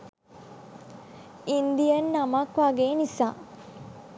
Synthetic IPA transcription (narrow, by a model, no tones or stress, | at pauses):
ind̪ijənːamakʋaɡeːnisaː